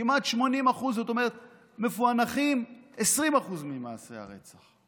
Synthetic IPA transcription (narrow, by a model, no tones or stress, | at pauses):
imat̪ʃmo̞nimaχuzot̪o̞me̞ʁet̪̚ | mefuanaχimesʁimaχuzmima̰ːse̞̰a̰ʁe̞̰t͡saχ